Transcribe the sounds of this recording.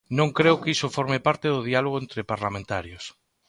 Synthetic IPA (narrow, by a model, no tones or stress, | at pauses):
nõŋkɾeʊkisofoɾmepaɾt̪ɪðʊðialoɣ̞oent̪ɾɪpaɾlamẽnt̪aɾjos